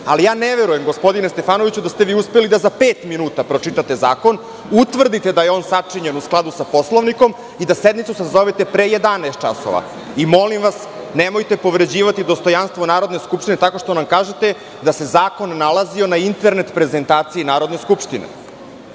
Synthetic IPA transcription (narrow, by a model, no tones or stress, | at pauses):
alijaːneʋe̞ɾuje̞mɡo̞spo̞d̪inest̪e̞faːno̞ʋit͡ɕud̪ast̪eʋiːuspelid̪azapeːt̪minuːt̪apɾot͡ʂit̪at̪e̞za̰ːko̞n | ut̪ʋr̩d̪it̪e̞d̪ajeo̞nsat͡ʂiɲenusklˠad̪usapo̞sloʋniko̞m | id̪ased̪mit̪susazo̞ʋet̪e̞pɾeje̞d̪anaest̪̚t͡ʃa̰so̰ʋa̰ | imo̞limʋasnemo̞jt̪e̞po̞ʋɾe̞d͡ʑiːʋat̪id̪o̞st̪o̞janst̪ʋonaːɾo̞d̪neskupʂt̪ine̞t̪ako̞ʂt̪o̞namkaːʒet̪e | d̪ase̞zaːko̞nːalˠazio̞naint̪e̞ɾne̞t̪pɾe̞ze̞nt̪aːt̪siinaːɾo̞d̪ne̞skupʂt̪inḛ